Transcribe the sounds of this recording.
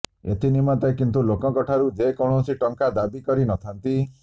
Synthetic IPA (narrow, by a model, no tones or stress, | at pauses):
ḛt̪ʰinimat̪ɔkint̪ulokɔkɔʈʰaɾud͡ʒekɔɳ̃osiʈɔŋkad̪abikɔɾinɔt̪ʰant̪i